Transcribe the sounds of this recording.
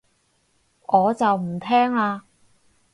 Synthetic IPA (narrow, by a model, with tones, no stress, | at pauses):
ŋʔɔː˨˧t͡sɐ˨wm̩˨˩t̪ʰɛː˥ŋaː˧